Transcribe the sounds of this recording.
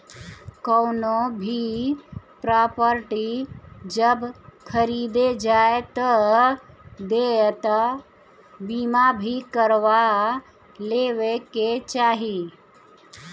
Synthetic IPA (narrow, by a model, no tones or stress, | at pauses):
kəwnobʱi | pɾapəɾʈid͡ʒəbkʰəɾid̪ed͡ʒaet̪ə | d̪et̪a | bimabʱikəɾʋa | leʋeket͡ʃaːɦi